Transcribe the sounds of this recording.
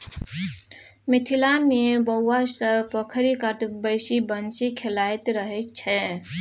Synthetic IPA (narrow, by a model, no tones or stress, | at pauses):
miʈʰilamebəwːasəbpəkʰɾikaʈbəjsibənt͡ʃikʰelajt̪ɾəɦɛt͡ʃʰɛ